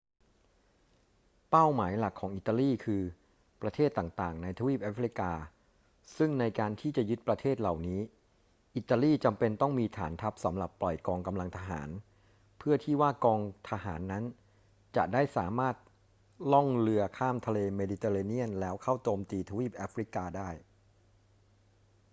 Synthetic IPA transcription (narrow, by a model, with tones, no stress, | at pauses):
pa˥˩wmaː˩˦jla˨˩kʰːɔː˩˦ŋʔi˨˩t̪ːaː˧liː˥˩kʰɯː˧ | pɾa˧t̪ʰeː˥˩t̪ːaː˨˩ŋt̪aː˨˩ŋna˧jt̪ʰa˧wiː˥˩pʔaː˦˥fɾi˧˦˥kaː˧ | sɯ˥˩ŋna˧jkaː˧nt̪ʰiː˥˩t͡ɕa˨˩ʔjɯ˦˥t̪̚pɾa˧t̪ʰeː˥˩t̪̚la˨˩wniː˦˥ | ʔi˨˩t̪ːaː˧liː˥˩t͡ɕa˧mpe˧nt̪ɔ˥˩ŋmiː˧t̪ʰa̰ː˩˦nt̪ʰa˦˥p̚sa˩˦mɾa˨˩pːlɔ˨˩jkɔː˧ŋka˧mla˧ŋt̪ʰa˧ɦa̰ː˩˦n | pʰɯ˥˩ɐt̪ʰiː˥˩waː˥˩kɔː˧ŋt̪ʰa˧ɦaː˩˦nːa˦˥n | t͡ɕa̰˨˩ʔdaː˥˩jsaː˩˦maː˥˩t̪̚ | lɔ˥˩ŋlɯ˧ɐkʰaː˥˩mt̪ʰa˧leː˧meː˧diː˧t̪e˧ɾaː˧ni˥˩ənlɛː˦˥wkʰa˥˩wt͡ɕoː˧mt̪iː˧t̪ʰa˧wiː˥˩p̚ʔaː˦˥fɾi˦˥kaː˧daː˥˩j